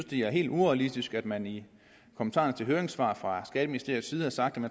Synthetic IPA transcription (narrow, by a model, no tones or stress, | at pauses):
sd̥eæɐɦe̝̰ːlduɒælisd̥isɡ̥æd̥mæni | kʰomənt͡sʰɑ̰̈ːnt͡sʰe̝lɦøːɐe̝ŋsʋɑ̰̈ːfʁɑ̈sɡ̥ɛːd̥əminisd̥e̝ɐð̩ˠsiːð̩ˠhɑ̈sɑ̈ɡ̥d̥æmæn